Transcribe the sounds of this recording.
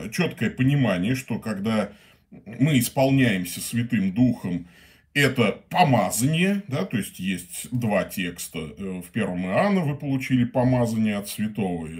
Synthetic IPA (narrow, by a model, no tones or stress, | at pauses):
t͡ɕo̞t̪kəjəpənʲɪmanʲɪjəʂt̪o̞kaɡd̪a | mɨɪspɐlˠnʲæjɪmsʲəsvʲɪt̪ɨmd̪uxəm | ɛt̪əpɐmazənʲɪjəd̪at̪o̞ɪsʲtʲjesʲtʲd̪vatʲe̞kst̪əfʲpʲe̞rvəmɨanːəvɨpəlˠʊt͡ɕilʲɪpɐmazənʲɪjəɐt̪svʲɪt̪o̞və